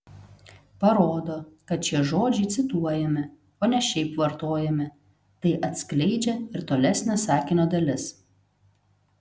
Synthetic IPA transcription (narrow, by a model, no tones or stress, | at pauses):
pɐɾoːd̪oːkɐt̪̚t͡ʃʲiɛʒoːd͡ʒʲɛɪt̪sʲɪt̪uɔjɛmʲɪ | oːnʲɛʃʲɛɪpʋɐɾt̪oːjɛmʲɪ | t̪ɐɪʔɐt̪ʲsklʲɛɪd͡ʒʲɛɪɾt̪oːlʲɛsʲnʲɛsɑːkʲinʲoːd̪ɐlʲɪs